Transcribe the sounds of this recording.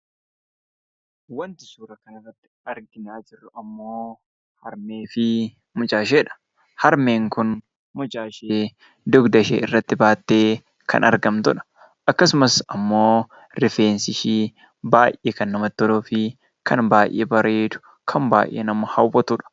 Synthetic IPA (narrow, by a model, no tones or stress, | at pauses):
wɐnt̪ɪ̥ʃuːɾɐkɐnɐrːɐt̪ːɪ̥ɐɾɡɪnaːd͡ʒɪrːʊɐmːoː | hɐɾme̞ːfɪ | mʊd͡ʒʼaːʃeːᶑɐ̥ | hɐɾme̞ːŋkʊn | mʊd͡ʒaːʃeː | d̪ʊɡd̪ɐʃḛːʔɪrːɐt̪ːɪbaːt̪ːe̞ː | kʰɐ̰nɐ̰ɾɡɐmt̪ʊᶑɐ̥ | ʔɐkːɐsʊmɐsɐmːo̞ː | ɾɪfe̞ːnsɪʃiː | baːjʔeːkɐnːɐmɐt̪ːɔloːfɪ | kʰɐnbaːjʔḛːbɐɾeːd̪ʊ̥ | kʰɐmba̰ːjʔːḛːnɐmɐhɐwbɔt̪ʊᶑɐ̥